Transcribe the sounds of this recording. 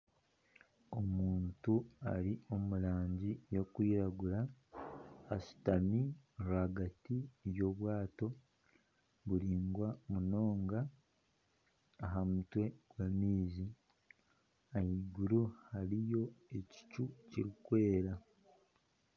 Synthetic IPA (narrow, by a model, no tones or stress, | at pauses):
o̞muːntua̰ɾio̞mulaːɲɟijo̞kwiːɾaɡuɾaː | su̥tamiɾuaɡatijo̞βwaːto̞ | ɡuɾiːŋɡwamuno̞ːŋɡa | ɦamutwe̞ɡ̥wamiːzi | ajiɡuɾuhaɾijo̞e̞ci̥cuciɾikwe̞ːɾa